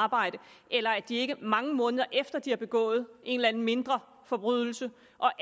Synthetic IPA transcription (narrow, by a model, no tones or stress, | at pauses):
b̥ɑ̈ɪ̰ɾ̥əʔelɐæd̥ie̝ɡ̥əmɑ̈ŋəmɔ̽ːnəð̞̩ˠɐʔefd̥ɐd̥iæb̥e̝ɡ̥ɔ̰̽ːð̞̩ˠʔe̝̰ːnlænn̩me̝nd̥ʁɐ | fɒ̽b̥ʁyð̰ˠl̩sə | ʔɒ̽ʔ